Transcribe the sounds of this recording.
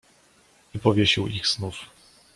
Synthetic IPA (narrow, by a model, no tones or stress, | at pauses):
ipɔvʲjeɕiwiɣz̥nuf